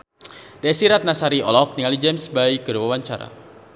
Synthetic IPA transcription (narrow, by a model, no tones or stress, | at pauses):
desiɾat̪̚nasaɾiɔ̰lɔk̚niŋalid͡ʒɛmsbaiɡəɾwawaɲt͡ʃa̰ɾa̰